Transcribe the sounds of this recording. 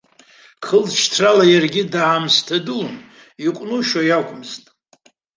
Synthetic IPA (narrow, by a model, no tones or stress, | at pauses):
kʰəlt͡ʃʰtʰralajarɡʲɪdaːmstʰadun | iqʷʼnuʃajakʷʰʼʊmztʼ